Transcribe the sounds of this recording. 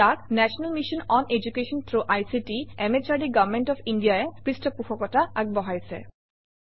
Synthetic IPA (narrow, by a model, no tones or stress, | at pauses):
aknɛsʰɔnalmiʃɔnɔned͡ʑukeʃɔnt̪ʰɾoʔajsiʈiemet͡ɕaɾɖiɡavmenʈɔfʰinɖijaekisʈɔpuxʰɔkɔtaaɡ̚bɔɦajsʰḛ